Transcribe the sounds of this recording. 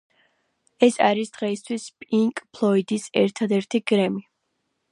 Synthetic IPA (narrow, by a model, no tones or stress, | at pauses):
ɛsa̰ɾisd̪̥ʁɛist̪ʰwispʼiŋkʼpʰlˠɔid̪isɛɾt̪ʰad̪ɛɾt̪ʰiɡ̥ɾɛmi